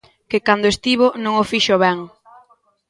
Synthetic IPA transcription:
kekand̪oest̪iβonõŋofiʃoβɛŋ

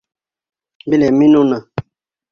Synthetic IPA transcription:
bileminũna

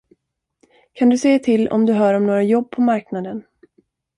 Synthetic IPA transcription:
kʰand̪ɵseːt̪ʰɪlːɔ̰md̪ɵɦœːɾɔmnoːɾajɔbːpʰɔmaɾknad̪ən

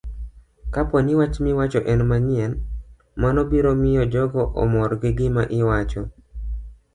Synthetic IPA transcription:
kapɔnɪwat͡ʃmɪwat͡ʃɔʔɛnmaɲɪɛn | manɔbiɾomɪjɔd͡ʒɔɡɔʔɔ̰mɔrɡɪɡɪmaʔɪwat͡ʃɔ

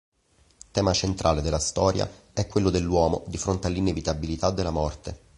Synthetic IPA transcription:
t̪ɛːmat͡ʃent̪ɾʔaːled̪elːast̪ɔːɾja̰ | ɛkːwelːod̪elːwɔːmod̪ifɾont̪ealːinevit̪abilit̪ad̪ːelːamɔrt̪e

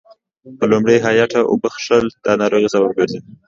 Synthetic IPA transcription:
pəlʊmɽejɦɑjaʈʰaʔʊ̰bəxʂəld̪̥ɑnɑɾoɣisababɡeɾzi

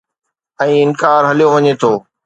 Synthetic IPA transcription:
ɛ̃ːɪnkaːɾɦɐlijoʋɐɲet̪ʰoː

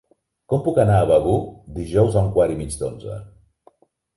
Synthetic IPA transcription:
kɔmpukənaːβəɣud̪iʒɔwzauŋkwaɾimid͡ʒd̪onzə̰

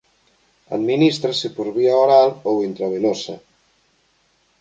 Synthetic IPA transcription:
a̰d̪minist̪ɾasepoɾβiaoɾalowint̪ɾaβ̞elosa

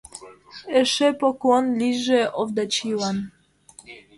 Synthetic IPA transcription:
ɛʂɛpɔkwɔnlʲiʐɛʔɔvd̪at͡ɕiwan

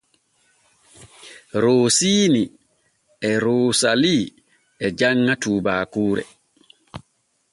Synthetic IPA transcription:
ɾoːsiːni | ɛɾoːsaliː | ɛd͡ʒaŋːatuːbaːkuːɾɛ̰

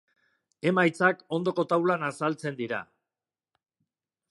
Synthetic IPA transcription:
e̞majt͡sako̞nd̪o̞ko̞t̪awlanasalt͡se̞nd̪iɾa̰

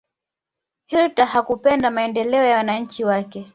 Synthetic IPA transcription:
hiltahakupɛndamaɛndɛlɛɔjawanaɲ̩t͡ʃiwakɛ

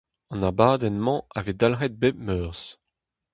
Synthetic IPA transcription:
ɑ̃nabaːd̪ɛnmɑ̃aved̪alʁɛt̪̚bemœːʁs

